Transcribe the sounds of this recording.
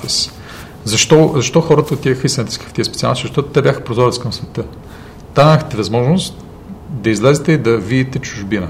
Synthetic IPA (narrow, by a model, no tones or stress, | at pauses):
ɛs | zɐʃt̪ɔzɐʃt̪ɔxɔɾət̪əoʊt̪ːʲiɛxisnt̪iskə̥ft̪iəspɛt̪sia̰lˠnsʃzʒɐʃt̪ɔt̪ʊ̥t̪ɛbʲjaxəpɾozɔɾɛt̪skɐmsvɛt̪ɤ | t̪amɐxt̪ɛvɐzmɔʒnost̪ | d̪ɐizlɛzɛt̪ɛid̪ɐvid̪it̪ɛt͡ʃuʒbinə